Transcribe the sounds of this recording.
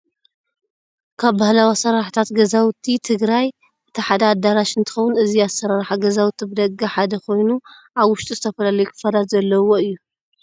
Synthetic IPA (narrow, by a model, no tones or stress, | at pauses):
kʰaβbahlawasɐɾaħt̪ʰat̪ɡɐzawt̪ʰːit̪ʰɨɡɾaj | ʔɨt̪ʰɐħad̪aːd̪aɾaʃɨnt̪ʰɨ̥xɐwʊnɨziasɐɾaɾħaɡɐzawt̪ʰibɨd̪ɐɡaħad̪ɐkʰo̞jnuʔaβwʊʃt̪ʼizɨt̪ʰɐfɐlalɐjukʰɨ̥fɐd̪azɐlːɐwoɨjːu